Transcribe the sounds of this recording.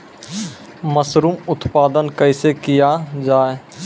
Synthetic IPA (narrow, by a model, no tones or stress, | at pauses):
məsɾuːmʊt̪paːd̪ənkəɪsekijad͡ʒaːe